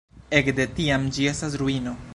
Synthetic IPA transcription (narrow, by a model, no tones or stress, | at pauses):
e̞kd̪e̞tiamd͡ʒie̞stas̬ɾuino̞